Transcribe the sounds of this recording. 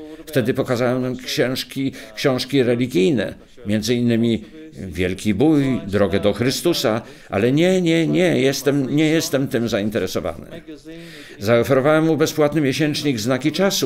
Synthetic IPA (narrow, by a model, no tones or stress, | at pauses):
ft̪ɛd̪ɘpɔkazawɛwnamkɕɛ̃w̃ʂkʲikɕɔ̃w̃ʂkʲiɾɛlʲiɡʲijnɛ̰ | mʲjɛnd̪zɘinːɘmʲi | vʲjɛlkʲibujd̪ɾɔɡɛd̪ɔxɾɘst̪usa | ʔa̰lɛɲɛɲɛɲɛjɛst̪ɛmɲɛjɛst̪ɛmt̪ɘmzaint̪ɛɾɛsɔva̰nɘ̰ | zaɔfɛɾɔvawɛmːubɛspwat̪nɘmʲjeɕɛnt͡ʂɲiɡznakʲit͡ʂasu